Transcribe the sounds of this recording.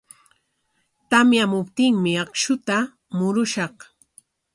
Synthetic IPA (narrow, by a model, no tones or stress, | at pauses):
t̪amjamʊpt̪ɪŋmɪɑkʃʊt̪a | mʊɾʊʃɑq